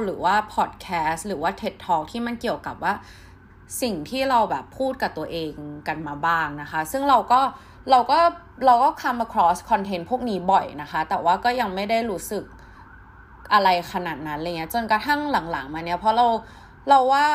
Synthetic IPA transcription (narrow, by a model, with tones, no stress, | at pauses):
ɾɯː˩˦waː˥˩pʰɔː˨˩t̪̚kʰɛː˦˥st̪̚ɾɯː˩˦waː˥˩t̪ʰe˦˥tt̪ʰːɔː˦˥k̚t̪ʰiː˥˩ma˧nki˨˩əwka˨˩p̚waː˥˩ | si˨˩ŋt̪ʰiː˥˩ɾa˧wbɛː˨˩pʰːuː˥˩t̪̚ka˨˩t̪u˧ɐʔeː˧ŋka˧nmaː˧baː˥˩ŋna˦˥xa˦˥sɯ˥˩ŋɾa˧wkɔː˥˩ | ɾa˧wkɔː˥˩ | ɾa˧wkɔː˥˩kʰa˧mːa˧kʰɾɔː˦˥skʰɔ˧nt̪ʰe˧˥npʰu˥˩ək̚niː˦˥bɔ˨˩jna˦˥xa˦˥t̪ɛː˨˩waː˥˩kɔː˥˩ja˧ŋma˥˩jda˥˩jɾuː˦˥sɯ˨˩k̚ | ʔa˧ɾa˧jkʰa˧naː˨˩t̪̚na˦˥nla˧ŋi˦˥ɐ˥t͡ɕo˧nka˧t̪ʰa˥˩ŋla˩˦ŋla˩˦ŋmaː˧ni˦˥ɐpʰɔ˦˥ɾa˧w | ɾa˧wːaː˥˩